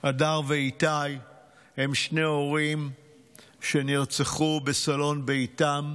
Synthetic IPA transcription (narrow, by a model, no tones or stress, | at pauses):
ʔadaʁveitaj | he̞mʃneo̞ʁim | ʃe̞niʁt͡seχubesalo̞nbeitam